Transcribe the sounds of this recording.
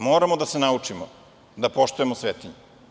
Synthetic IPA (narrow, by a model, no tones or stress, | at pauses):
moːɾamod̪ase̞naut͡ʂimo | d̪apo̞ʃt̪ujemosʋeːt̪iɲu